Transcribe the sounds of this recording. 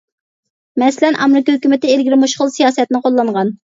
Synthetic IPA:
mɛsɪlɛnʔɑ̰mɾɪkɑhøkʲymɪt̪ɪelɡʲilɪmuʃχʊlˠsijɑːsɛt̪nɪqʰolˠːɑɴʁɑn

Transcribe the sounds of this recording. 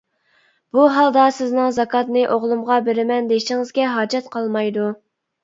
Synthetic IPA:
b̥uɦɑlˠd̪ɑsɪznɨŋzɑkʰɑt̪nɨʔoʁlˠumʁɑbeɾɪmɛnd̪eʃɪŋɨzɡʲɛɦɑːd͡ʒɑt̪qʰɑlˠmɑjd̪u

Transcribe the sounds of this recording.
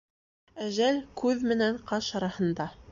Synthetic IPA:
æʒælkʉðmɘ̆næŋqɑʃɑɾɑhɤ̆nd̪ɑ

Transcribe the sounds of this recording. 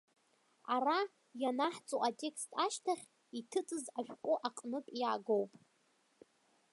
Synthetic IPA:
ara | janaħt͡sʼoʔatʼe̞kstʰaʃtʰaχʲ | itʰɨt͡sʼɨzaʃᶣkʷʼʊʔaqʼnɨpʼjaɡowpʼ

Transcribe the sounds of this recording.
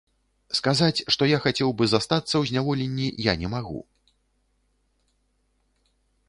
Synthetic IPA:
skazat͡sʲʂt̪ɔjaxat͡sʲɛwbɨzast̪at̪sːɐwzʲnʲavɔlʲenʲːijanʲɛmaɣṵ

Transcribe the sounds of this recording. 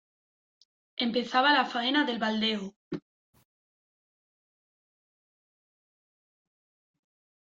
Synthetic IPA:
empe̞θaβalafaenaðe̞lβald̪eo

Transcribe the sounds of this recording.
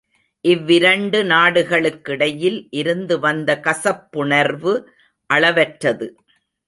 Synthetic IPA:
ʔɪʋːɪɾɐɳɖɯnaːɽɯɣɐɭɯkːɪɽɐjɪlʔɪɾɯnd̪ɯʋɐnd̪ɐkɐsɐpːʊɳɐɾʋɯ | ʔɐɭɐʋɛʈɾɐðɯ

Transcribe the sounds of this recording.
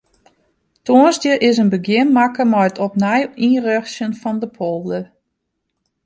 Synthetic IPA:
toənzdjəʔɪsənbəɡjɪnmakəmɔjətʰɔp̚nɛjirøxsjənfɔndəpʰolˠdə

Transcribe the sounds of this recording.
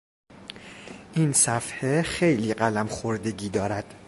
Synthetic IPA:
ʔiːnsæfhexejliːɢælæmxoɾd̪e̞ɟiːd̪ɒːɾæd̪̥

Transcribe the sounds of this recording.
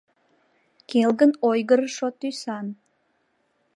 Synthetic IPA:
kelɡənojɣəɾəʃot̪ːysɑn

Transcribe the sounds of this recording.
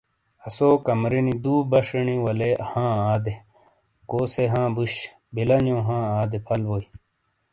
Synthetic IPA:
ɐsoːkɐmɾinid̪uːbɐʂənĩwɐlehãːaːd̪e | koːseɦãːbuɕ | bilɐnõːɦãːaːd̪epʰɐlʋoːi

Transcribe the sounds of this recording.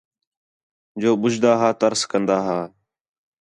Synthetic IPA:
d͡ʒoːɓʊd͡ʒd̪aːɦaːt̪əɾskənd̪aːɦaː

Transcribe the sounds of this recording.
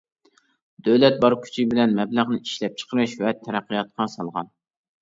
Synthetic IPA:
d̪øwlɛt̪̚bɑɾkʲʰy̥t͡ʃʰibɪlɛnmɛbləʁnɪʔiʃlɛp̚t͡ʃʰə̥qʰəɾɨʃvɛt̪ʰɛɾæqːijɑt̪̚qʰɑsɑlˠʁɑ̰n

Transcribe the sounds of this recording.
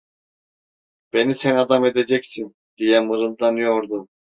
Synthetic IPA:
b̥e̞nisɛnad̪ame̞d̪ed͡ʒɛcsin | d̪̥ijɛmɯɾɯnd̪anjoɾd̪u

